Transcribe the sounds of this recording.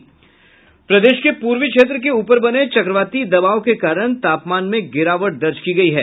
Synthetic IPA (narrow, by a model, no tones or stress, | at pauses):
pɾɐd̪eːʃkepuːɾʋikʃeːt̪̬ɾək̬euːpəɾbɐnet͡ʃɐkɾəʋaːt̪id̪ɐbaːokekaːɾəɽ̃t̪aːpmaːnmẽɡɪɾaːʋəʈ̚d̪ɐɾd͡ʒkiɡɐiɦɛː